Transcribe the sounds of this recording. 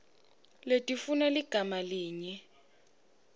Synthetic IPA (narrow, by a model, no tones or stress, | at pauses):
letʼifunaliɡ̥ʱamaliːɲɛ